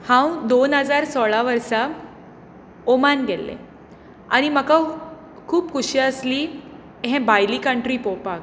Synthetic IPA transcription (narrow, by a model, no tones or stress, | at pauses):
hãwd̪onɦəd͡zaɾsɔɭaʋəɾsa | omanɡʱɛlːḛ | a̰ɽ̃iməka | kʰuːpkʰuɕiəsli | ɦẽbajlikəɳʈɾiːpɔpak̚